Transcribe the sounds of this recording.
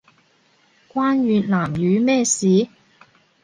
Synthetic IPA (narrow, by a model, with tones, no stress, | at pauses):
kʷwaː˥nɥyː˨tlaː˨˩mjyː˨˧mɛː˥˩siː˨˥